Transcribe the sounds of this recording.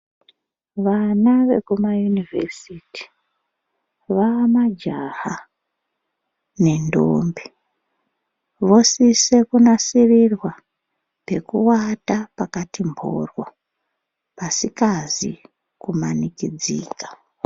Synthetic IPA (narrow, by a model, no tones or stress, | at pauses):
ʋanaʋe̞̰kumajunivʱḛsiti̥ | ʋaːmad͡ʒaha | ne̞ndo̰mbi | ʋo̞sise̞kunasirirwa | pe̞kuwatapakatimbʱo̰rwo | pasikazi | kumanikid͡zḭːkḁ